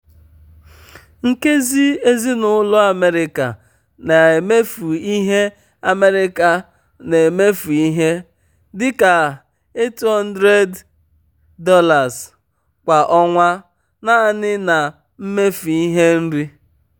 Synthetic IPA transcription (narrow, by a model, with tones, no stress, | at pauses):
ŋ̩˦ke˦zi˦e˦zi˦nʊ˦lʊ˦a˨me˦ɾɪ˦ka̰˨ | na˨e˨me˦fu˨i˦ɦe˦ | a˨me˦ɾɪ˦ka˨ | ne˨me˦fu˨i˦ɦe˦ | dɪ˦ka˨ | e˦ti˨˦ɦɔ˦n˦dɾe˦dː | ɔ˦la˨z | kʷa˨ʔɔ˦ŋʷa˦ | na˦a˦˨nɪ˦na˨ | m̩˦me˦fu˨i˦ɦe˦m̩˦ɾi˦